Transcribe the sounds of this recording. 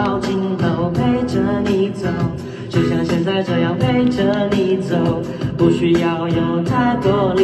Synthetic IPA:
ʊt͡ɕi˧˥ŋt̪o˨˩ʊpʰe˥ɪʈ͡ʂə˧˥ni˨˩t͡so˨˩˦ʊ | t͡ɕjo˥˧ʊɕjɑ˥˩ŋɕjɛ˥˧nt͡sa˥˩ɪʈ͡ʂɤ˨˩jɑ˥˩ʊpʰe˥ɪʈ͡ʂə˧˥ni˧˩t͡so˨˩ʊ | pu˥˧ɕy˥jɑ˥˧ʊjo˨˩ʊt̪ʰa˥˩ɪt̪wɔ˥l

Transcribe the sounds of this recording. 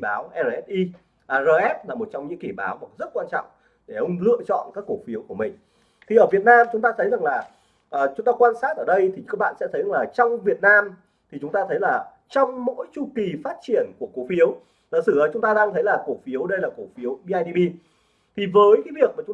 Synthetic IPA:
ɓaː˨˦wʔɛ˧ə˧˩ʔɛ˦˥t̚ʔi˧ | ʔzəː˨˩ʔɛ˦˥t̚laː˨˩mo˨˩t̚t͡ɕɔ˧ŋ͡mɲɨ̰˧˥ŋki˧˩ɓaː˨˦wva˨˩zə˦˥t̚kwaː˧nt͡ɕɔ̰˧˨wŋ͡m | ɗe˧˩ʔə˧wŋ͡mlɨ̰˧ət͡ɕɔ̰˧˨nkaː˦˥kːo˧˩fi˨˦əwku˧˩mï˨˩ŋ̟ | t̪ʰi˨˩ʔəː˧˩vi˨˩ət̚naː˧mt͡ɕʊ˨˦ŋ͡mt̪aː˧t̪ʰə˨˦jza˨˩ŋlaː˨˩ | ʔəː˨˩t͡ɕʊ˨˦ŋ͡mt̪aː˧kwaː˧nsaː˦˥t̚ʔəː˧˩ɗə˧jt̪ʰi˨˩ka˦˥k̚ɓa̰ː˧˨sɛ̰˧˥t̪ʰə˨˦jza˨˩laː˨˩t͡ɕɔ˧wŋ͡mvi˨˩ət̚naː˧m | t̪ʰi˨˩t͡ɕʊ˨˦ŋ͡mt̪aː˧t̪ʰə˨˦jlaː˨˩ | t͡ɕɔ˧wŋ͡mmo̰˧˥jt͡ɕu˧ki˨˩faː˦˥t̚t͡ɕi˧˩ənku˧˩əkːo˨˦fi˨˦əw | t̪ə˨˧˨sɨ˧˩ʔəː˨˦˩t͡ɕʊ˨˦ŋ͡mt̪aː˧ɗaː˧ŋt̪ʰə˨˦jlaː˨˩ko˧˩fi˨˦əwɗə˧jlaː˨˩ko˧˩fi˨˦əwɓi˧ʔaː˧jɗi˧ɓi˧ | t̪ʰi˨˩vəː˨˦jkaː˨˦jvi˨˩ək̚maː˨˩t͡ɕʊ˨˦ŋ͡m

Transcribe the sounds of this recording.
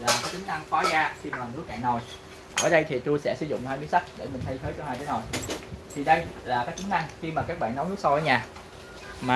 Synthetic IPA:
laː˨˩kaː˨˦˥kt͡ɕɨ˨˦ŋ̟ʔa˧ŋfɔ˨˦zaː˧si˧mlɔː˨˩ɗɨ˨˦˥kɛ̰˧˨nzo˨˩j | ʔəː˧˩ɗə˧jt̪ʰi˨˩t̪u˧jsɛ̰˧˥sɨ˧˦zʊ̰˧˨ŋ͡mt̪ʰaː˧jɓɨ˧˦sa˦˥k̚ɗe˧˩mï˨˩ŋ̟t̪ʰə˨˦jt̪ʰəː˨˦jt͡ɕɔ˧˦haː˧jt̪ʰe˨˦zo˨˩jt̪ʰi˨˩ɗə˧jlaː˨˩kaː˨˦˥kt͡ɕɨ˨˦ŋʔa˧ŋxi˧maː˨˩kaː˦˥k̚ɓa̰ː˧˨nːɔ˨˦wnɨ˦˥k̚sa˧wvəː˨˦jɲaː˨˩ | maː˨˩

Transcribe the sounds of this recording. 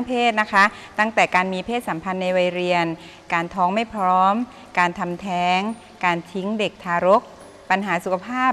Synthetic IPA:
ŋpʰeː˥˩t̪̚na˦˥kʰa˦˥ | t̪a˥˩ŋt̪ɛː˨˩kaː˧nmiː˧pʰeː˥˩t̪̚sa˩˦mpʰa˧nːa˧jwa˧jɾi˧ən | kaː˧nt̪ʰɔː˦˥ŋma˥˩jpʰɾɔː˦˥m | kaː˧nt̪ʰa˧mt̪ʰɛː˦˥ŋ | kaː˧nt̪ʰi˦˥ŋde˨˩k̚t̪ʰaː˧ɾo˦˥k̚ | pa˧nɦaː˩˦su˨˩kʰa˧pʰaː˥˩

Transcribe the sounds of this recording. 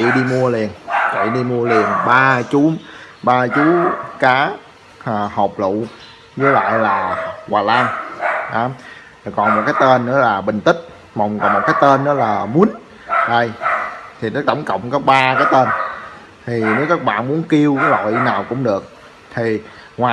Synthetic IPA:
t͡ɕḭ˧˨ɗi˧mu˧əli˨˩ənt͡ɕḭ˧˨ɗi˧mu˧əli˨˩ənɓaː˧t͡ɕu˨˦ | ɓaː˧t͡ɕu˨˦kaː˨˦˨ | hɔ˨˩wk͡p̚lṵ˧˨ | zə˨˦la̰ː˧˨jlaː˨˩waː˨˩laː˧ŋʔɔ˨˦m˨˩ | kɔ˨˩nmo˨˩t̚kaː˨˦jt̪e˧nːɨ̰˧˥əlaː˨˩ɓï˨˩ŋ̟t̪ï˦˥k̟̚ | mɔ˨˩wŋ͡mkɔ˨˩nmo˨˩t̚kaː˨˦jt̪eː˧nːɨ̰ː˨˦laː˨˩mu˨˦ən | ɗə˧˩jt̪ʰi˨˩nɔ˨˦t̪ə˧˩wŋ͡mkə̰˧˨wŋ͡mkɔ˨˦ɓaː˧kaː˨˦jt̪e˧n | t̪ʰi˨˩ne˨˦wkaː˦˥k̚ɓa̰ː˧˨nmu˨˦ənki˧əwkaː˨˦jlɔ̰˧˨jnaː˨˩wkʊ̰˧˥ŋ͡mɗɨ˨˩ək̚ | t̪ʰi˨˩ | ŋwaː˨

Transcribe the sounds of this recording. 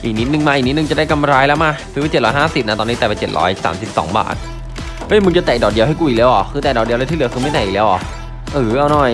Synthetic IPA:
ʔiː˨˩k̚ni˦˥t̪̚nɯ˨˧ŋmaː˧ʔi˨˩ni˦˥t̪̚nɯ˧t͡ɕa˨˩da˥˩jka˧mɾaː˧jlɛ˦˥wmaː˧˥˩sɯː˧˦˧t͡ɕe˨˩t̚ɾɔː˦˥jɦaː˥˩si˨˩p̚na˦˥t̪ɔː˧niː˦˥t̪ːpa˨˩jt͡ɕe˨˩t̪ɾʔɔ̰ː˦˥jsa̰ː˩˦msi˨˩p̚sɔ̰ː˩˦ŋba̰ː˨˩t̪̚ | pʰa˦˥˧mɯ˧ŋt͡ɕa˨˩t̪ɛː˨˩dɔː˨˩di˧əwɦa˥˩ku˧˩iː˨˩k̚lɛː˦˧˥wʔɔ˨˩xɯː˧t̪ɛː˨˩dɔː˨˩di˧lt̪ʰiː˥˨ɯ˩˦əkʰxɯː˧m˥˩jt̪ɛː˨˩ʔ̚lɛː˦˥wʔɔ̰˨˩ | ʔɯː˨˩˦ʔa˧wnɔ˨˩j

